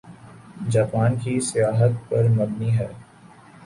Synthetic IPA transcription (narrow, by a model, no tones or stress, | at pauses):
d͡ʒaːpaːnkisɪjaːɦət̪pɐɾmɐbniɦɛː